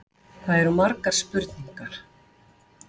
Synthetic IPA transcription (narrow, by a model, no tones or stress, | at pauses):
kʰvaðɛɾumaɾkaɾ̥spʏɾt̪niŋkaɾ̥